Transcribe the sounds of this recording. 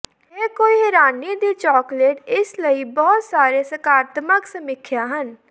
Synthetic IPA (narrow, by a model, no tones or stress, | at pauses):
ɦeːkoːiɦɛɾaːniːd̪iːt͡ʃɔːkleːʈɪsləiːbɔːt̪saːɾeːsəkaːɾət̪məksəmɪkʰːjaːɦən